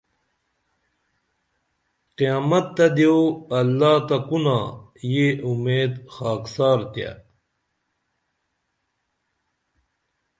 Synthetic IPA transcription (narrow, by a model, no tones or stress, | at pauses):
qijaːmɐt̪ːɐd̪eoɐlːaːt̪akunajeumeːd̪xaːksaːɾt̪ja̰